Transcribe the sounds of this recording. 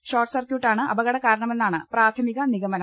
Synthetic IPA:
ɕoːrʈsɐrkjuːʈːaːɳɨʔɐ̰bɐɣɐɽɐkaːɾɐɳɐme̞nːaːɳɨpraːt̪ʰɐmiɣɐniɣɐmɐnɐ

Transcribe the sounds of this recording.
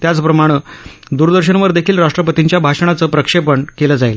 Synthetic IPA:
t̪jat͡spɾəmaɽ̃əd̪uɾd̪əɾɕənʋəɾd̪ekʰiːlɾaʂʈɾəp̬ət̪iɲt͡ɕjabʱaʂəɳ̃at͡səːpɾəkʂepəɳkeləːd͡zail

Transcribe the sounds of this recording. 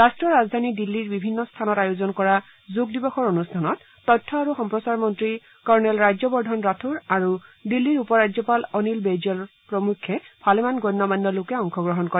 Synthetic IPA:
ɹastɹɔɹazdʱanidilːiɹbibʱinːɔstʰanɔtajozɔnkɔɹa | zuɡ̚dibɔxɔɹonustʰanɔtːɔjtʰːɔaɹuxɔmpɹɔsaɹmɔntɹi | kɔɹnɛlɹajzɔbɔɹdʱɔnɹatʰuɹaɹudilːiɹupɔɹad͡ʑzɔpalɔnilbed͡ʒɔl | pɹɔmukʰːɛpʰalɛmanɡɔnːɔmanːɔlʊkɛɔŋxʰɔɡɹɔɦɔnkɔɹɛ

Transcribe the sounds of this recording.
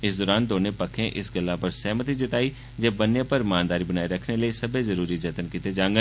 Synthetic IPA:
ɪsd̪ɔːɾaːnd̪oːnepəkʰẽʔɪsɡəlːapɐɾsɛːmət̪id͡ʒɪt̪aːi | d͡ʒeːbɐnjãpəɾmaːnd̪aːɾibənaːiɾɐkʰneləisɐbʱezəɾuːɾid͡ʒɐt̪ənkɪt̪ed͡ʒãːŋɡə

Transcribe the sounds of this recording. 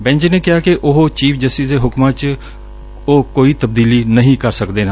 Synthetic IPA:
bɛ̃ɲd͡ʒneːkɪjaːkɪʔʊɦot͡ʃiːpʰd͡ʒəsiːseːɦʊkmãːt͡ʃ | oːkoːiːt̪əbd̪iːliːnəɦĩːkəɾsəkd̪eːnaː

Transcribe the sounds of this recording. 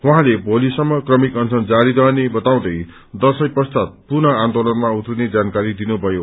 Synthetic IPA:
wuɦãlebʱolisʌmːʌkrʌmikʌnt͡sʰʌnd͡zaɾid̪ʌnebʌt̪aw̃d̪ʌj | d̪ʌlsʌjprʌst̪at̪̚purnʌand̪olʌnmaut̪rined͡zankaɾid̪inubʱʌjo

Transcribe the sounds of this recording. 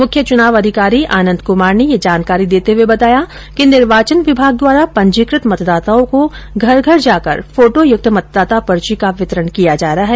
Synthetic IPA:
mʊkʰjət͡ʃʊnaːʋɐd̪ʱɪkaːɾiʔaːnə̃nd̪kʊmaːɾnejed͡ʒaːnkaːɾid̪eːt̪eɦuwebɐt̪aːja | kinɪɾʋaːt͡ʃənʋɪbʱaːɡ̚d̪waːɾapɐ̃ɲd͡ʒiːkɾɪt̪mɐt̪d̪aːt̪aõkoɡʱɐɾɡʱɐɾd͡ʒaːkə̰ɾfoːʈojʊk̚t̪ʰəmɐt̪̚d̪aːt̪apɐɾt͡ʃikaʋɪt̪əɾənkijad͡ʒaːɾaɦɛː

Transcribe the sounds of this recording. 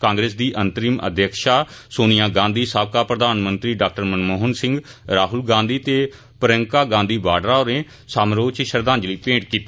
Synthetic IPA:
kãːŋɡɾeːs̬d̪iːʔənt̪əɾiːmə̰d̪ʱjəkʃaːsoːnɪjãːɡãːnd̪iːsaːbkaːpɾəd̪aːnmənt̪ɾiːɖaːk̚ʈəɾmənmoːɦənsɪ̃ŋɡɾaːɦʊlɡãːnd̪iːt̪eː | pəɾə̃ŋkaːɡãːnd̪iːbaːɖɾaːoːɾẽː | saːmɾoːt͡ʃʃəɾd̪ãːnd͡ʒliːpẽːɳʈkiːt̪ː

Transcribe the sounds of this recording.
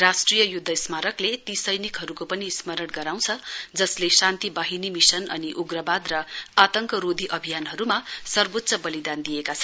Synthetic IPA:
rasʈrijʌjud̪ʱːʌismaɾʌklet̪isʌjnikɦʌɾukopʌnismʌɾʌɽɡʌɾaw̃t͡sʰʌd͡zʌslesant̪ibaɦinimisʌnʌniʔuɡrʌbad̪rʌat̪ʌŋkʌɾod̪ʱiʔʌbʱijanɦʌɾumasʌrbot̪sʌbʌlid̪and̪ijekat͡sʰʌn

